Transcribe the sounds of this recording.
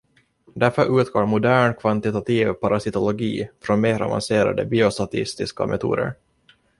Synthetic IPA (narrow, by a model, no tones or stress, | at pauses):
d̪æɾfœɾʔʉːt̪ɡoːɾmʊd̪æːɳkʰvant̪ɪt̪at̪ʰiːvpaɾʔasɪt̪ɔlɔɡiːfɾɔnmeːɾa̰va̰nseːɾa̰d̪əbiːʊst̪at̪ʰɪst̪ɪska̰mʔɛt̪ʰṵːd̪ə̰ɾ